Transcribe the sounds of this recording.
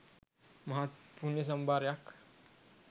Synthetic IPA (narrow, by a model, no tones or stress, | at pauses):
maɦat̪punes̬əmbaɾjak